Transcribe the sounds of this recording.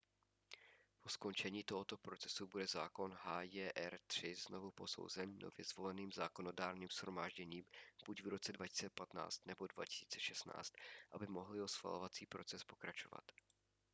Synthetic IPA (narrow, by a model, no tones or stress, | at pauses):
po̞sko̞nt͡ʃɛɲiːt̪o̞ɦo̞t̪o̞pɾo̞t͡sɛ̥subudɛzaːko̞nɦaːjɛʔɛɾt̪r̝̥ɪzno̞vupo̞so̞̰wzɛnːo̞̰vjɛzvo̞lɛniːmzaːko̞no̞daːɾniːmsxɾomaːʒɟɛɲiːmb̥ucvɾo̞t͡sɛdvacɪ̥t͡sɛpat̪na̰ːt͡st̪nɛbo̞dva̰cɪ̥si̥ːt͡sɛ̥ʃɛstna̰ːt͡st̪ʔabɪmo̞ɦlɪo̞sxva̰lovat͡siːpɾo̞t͡sɛspo̞kɾat͡ʃo̞va̰t̪